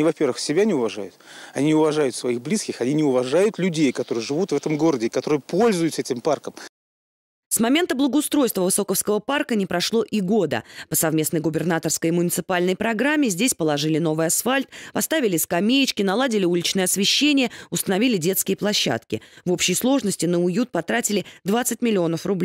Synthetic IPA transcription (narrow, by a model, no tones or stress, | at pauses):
nʲivɐpʲe̞rvɨxsʲɪbʲanʲɪʊvɐʐa̰jʊt̪ɐnʲinʲɪʊvɐʐajʊt̪svɐixblʲiskʲɪxɐnʲinʲɪʊvɐʐajʊt̪lʲʉdʲejkɐt̪o̞ɾɨjʐɨvut̪vɛt̪əmɡo̞ɾədʲɪkɐt̪o̞ɾɨjəpo̞lʲzʊjʊt̪sɛtʲɪmparkəm | smɐmʲe̞nt̪əblˠəɡəʊst̪ɾo̞jst̪vəvɨso̞kəfskəvəparkənʲɪpɾɐʂlˠo̞ʔiɡo̞d̪ə̰pəsɐvmʲe̞snəjɡʊbʲɪrnat̪ərskəjmʊnʲɪt̪sɨ̥palʲnəjpɾɐɡɾamʲːɪzʲdʲesʲpəlˠɐʐɨlʲɪno̞vɨjasfalʲt̪̚pɐst̪avʲɪlʲɪskɐmʲejɪt͡ɕkʲɪnɐlˠadʲɪlʲɪulʲɪt͡ɕnɨjəɐsvʲɪɕːenʲɪjəʊst̪ənɐvʲilʲɪdʲe̞t̪skʲɪjəplˠɐɕːa̰t̪kʲɪ̰vo̞pɕːɪjslˠo̞ʐnəsʲtʲɪnəʊjut̪̚pɐt̪ɾatʲɪlʲɪd̪vat̪sɨtʲmʲɪlʲɪo̞nəfrʊblʲ